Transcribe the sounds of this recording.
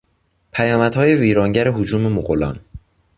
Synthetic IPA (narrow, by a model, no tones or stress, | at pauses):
pʰæjɒːmæd̪̥hɒːje̞viːɾɒːŋɟæɾeɦod͡ʒuːme̞moɣolɒ̰ːn